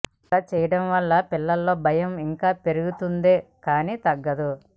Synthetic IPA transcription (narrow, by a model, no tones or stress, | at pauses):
ɐt͡ʃɛːjɐɽɐmʋɐlːɐpilːɐlːoːbʱɐjɐmiŋkaːpe̞ɾuɡut̪und̪eːkaːniːt̪ɐɡːɐd̪u